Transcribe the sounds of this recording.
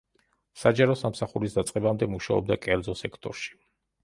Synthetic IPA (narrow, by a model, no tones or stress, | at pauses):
sad͡ʒaɾɔsamsaχuɾisd̪at̪sʼqʼɛbamd̪ɛmuʃaɔ̰b̚d̪akʼɛɾd̪zɔsɛkʰt̪ʼɔɾʃi̥